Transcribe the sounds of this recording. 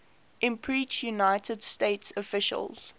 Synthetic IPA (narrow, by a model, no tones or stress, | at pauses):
ʔɪ̃mpʰɹiˑt͡ʃjunaɪtədsteɪtsɔfɪʃə̰lˠz̥